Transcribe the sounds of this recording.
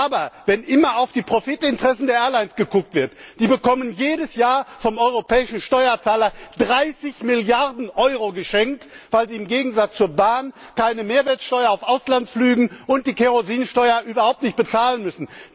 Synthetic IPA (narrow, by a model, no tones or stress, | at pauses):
ʔaːbɐvɛnʔɪmɐaʊfd̥iːpʁ̥ofɪtɪntəʁ̥ɛsn̩deːɐʔeːɐlaɪnsɡ̥əkʊk̚tv̥ɪɐtd̥iːbəkɔmənjeːdəsjaːɐfɔmɔʏʁopʰɛːɪʃn̩ʃtɔʏɐt͡saːlɐd̥ʁaɪsɪçmɪljaɐdn̩ʔɔʏʁoɡəʃɛŋk̚t | v̥aɪlziːɪmɡeːɡŋ̩zat͡st͡suːɐbaːn | kaɪnəmeːɐvɛːɐtsʃtɔʏɐaʊfʔaʊslant͡sflyːɡŋ̩ʔʊnt̚d̥iːkʰeʁoziːnʃtɔʏɐʔyːbɐhaʊp̚tnɪçt̚b̥ət͡saːlənmʏsn̩